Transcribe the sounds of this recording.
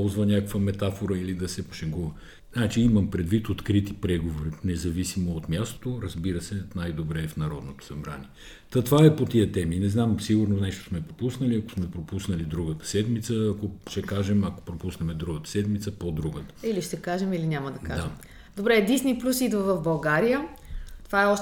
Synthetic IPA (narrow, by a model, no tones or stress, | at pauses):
ɔzvənʲakəkvəmɛt̪afoɾəilid̪ɐsɛpo̥ʃɐŋɡuvə | nat͡ʃiimɐmpɾɛd̪vit̪ot̪kɾit̪ipɾɛɡovoɾinɛzɐvisimoot̪mjast̪o̥t̪oɾɐzbiɾəsɛnajd̪obɾɛːfnɐɾɔd̪not̪o̥sɐbɾa̰nʲiɛ | t̪ɐt̪ovaɛpot̪iət̪ɛminɛznamsiɡuɾnonɛʃt̪o̥smɛpɾopusnəliɐko̥smɛpɾopusnəlid̪ɾuɡət̪ə̥sɛd̪mit̪səːkoʃɛkaʒɛmɐko̥pɾopusnɛmɛd̪ɾuɡət̪ə̥sɛd̪mit̪səpod̪ɾuɡət̪ə̥iliʃt̪ɛkaʒɛmilinʲamɐd̪ɐkad̪aʒ | d̪obɾɛːd̪isniplʲusid̪vəvɐvbɐlˠɡaɾijət̪ovaɛɔʃ